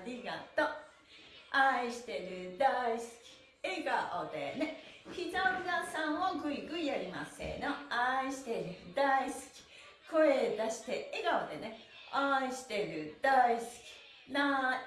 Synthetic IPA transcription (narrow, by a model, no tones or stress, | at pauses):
ɾʲiɡat̪o | aiɕi̥t̪e̞ɾɯ̟d̪aisɨ̥kʲi̥ | eɡaʔod̪e̞̰neçizaɾinasãm̃oɡɯ̟iɡɯ̟iaɾʲima̰sḛnoaiɕi̥t̪e̞ɾɯ̟d̪aisɨ̥kʲi̥ | ko̞ed̪aɕi̥t̪e̞eɡaod̪e̞ne | aiɕi̥t̪e̞ɾɯ̟d̪aisɨ̥kʲi̥ | na